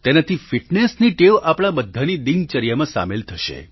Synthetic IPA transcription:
t̪enat̪ʰifiʈnesniʈeʋʔapɽ̃abəd̪ʱːanid̪int͡ʃəɾijamãsa̰melt̪ʰəʃḛ

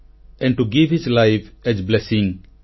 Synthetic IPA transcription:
ɛ̃n̚ʈuɡivhizlajfɛzblesĩŋ

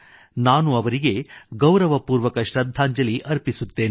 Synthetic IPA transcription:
naːnuɐʋɐɾiɡe̞ɡɐwɾɐʋɐpuːɾʋɐkɐʃɾɐd̪ʱaːɲd͡ʒɐliʔɐɾpisut̪ːe̞ːni

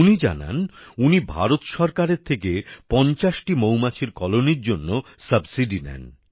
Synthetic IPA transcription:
unid͡ʑa̰na̰nunibʱa̰ɾot̪ʃɔɾkaɾeɾt̪ʰekepɔnt͡ɕaʃʈimowmat͡ɕʰiɾkɔloniɾd͡ʑonːosəbsiɖinɛ̰n

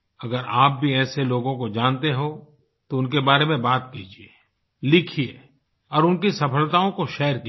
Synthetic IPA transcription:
ɐɡəɾaːp̚bʱiɛːseloːɡõkod͡ʒãːnt̪eɦõ | t̪oʊnk̬ebaːɾemẽbaːt̪̚kiːd͡ʒie | lɪkʰie | ɔːɾʊnkisɐpʰəlt̪aːõkoʃɛːəɾki

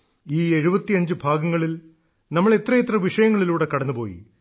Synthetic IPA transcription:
iːe̞ɻubɐt̪ːiɐɲd͡ʑɨbʱaːɡɐŋːɐɭil | nɐmːɐɭet̪rɐjet̪ːrɐʋiʂɐjɐŋːɐɭiluːɽe̞kɐɽɐnːupo̞ːjḭ

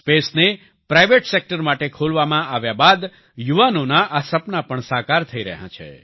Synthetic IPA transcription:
spesne | pɾaiʋeʈsek̚ʈəɾmaʈekʰolʋamãʔaʋjabad̪ | juʋanonaʔasəpnapəɳsakaɾt̪ʰəiɾə̰ɦã̰t͡ʃʰḛ

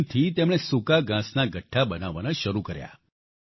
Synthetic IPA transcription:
t̪ʰit̪emɽ̃esukaɡãsnaɡəʈʰːabənaʋanaʃəɾukəɾja̰

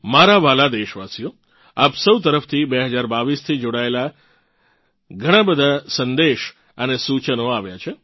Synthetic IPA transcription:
maɾaʋalad̪eʃʋasijo | apsəwt̪əɾəft̪ʰibeɦəd͡ʒaɾbaʋist̪ʰid͡ʒoɽaela | ɡʱəɽ̃ãbəd̪ʱasənd̪eʃ | ənesut͡ʃənoaʋjat͡ʃʰe

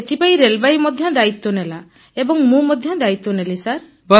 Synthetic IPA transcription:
et̪ʰipaĩɾelbajmɔd̪ʱjɔd̪ait̪ːɔnela | ebɔŋmũmɔd̪ʱjɔd̪ait̪ːɔnelisaɾ | bɔ

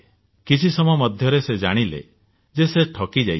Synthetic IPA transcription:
kit͡ʃʰisɔmɔjɔmɔd̪ʱjɔɾesed͡ʒaɽ̃ilḛ | d͡ʒeseʈʰɔkid͡ʒaj

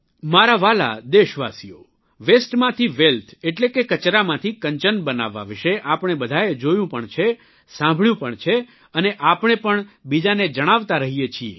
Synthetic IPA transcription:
maɾaʋala̰d̪eʃʋa̰sijo̰ | ʋesʈmãt̪ʰiʋelt̪ʰeʈlekekət͡ʃɾamãt̪ʰikəɲt͡ʃənbəna̰ʋːa̰ʋɪʃeʔapɳ̃ebəd̪ʱaed͡ʒojũpəɳt͡ʃʰe | sãmbʱɭjũpəɳt͡ʃʰe | əneʔapɳ̃epəɳbid͡ʒaned͡ʒəɽ̃aʋt̪aɾəɦijet͡ʃʰiḛ

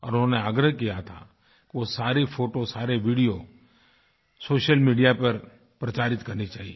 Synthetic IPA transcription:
ɔ̰ːɾʊnõneaːɡɾəɦkijat̪ʰa̰ | kiʋosaːɾefʰoːʈosaːɾeʋiːɖijo | soːʃəlmiːɖijapɐɾ | pɾɐt͡ʃaːɾɪt̪kɐɾnit͡ʃa̰ːɦie

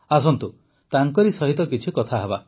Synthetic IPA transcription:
as̬ɔnt̪u | t̪aŋkɔɾisɔɦit̪ɔkit͡ʃʰikɔt̪ʰaɦeba

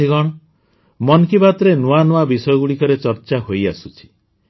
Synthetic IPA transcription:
iɡɔɽ̃ɔ | mɔnkibat̪ɾenuanuabisɔjɔɡuɽikɔɾet͡ʃɔɾt͡ʃaɦojasut͡ʃʰi̥

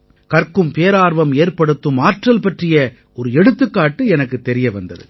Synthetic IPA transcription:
kɐrkɯmpeːɾaːɾʋɐmeːɾpɐɽɯt̪ːɯmaːʈrɐlpɐʈrɪjɐ | ʔɔɾɯɛɽɯt̪ːɯkːaːʈːɯɛnɐkːɯt̪ːɛɾɪjɐʋɐnd̪ɐ̰ðɯ̰

